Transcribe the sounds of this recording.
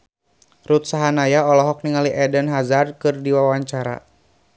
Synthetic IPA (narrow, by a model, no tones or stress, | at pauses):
rut̪saɦanajaɔlɔɦɔk̚niŋaliʔɛdənɦazarkɨrdiwawaɲt͡ʃaɾa̰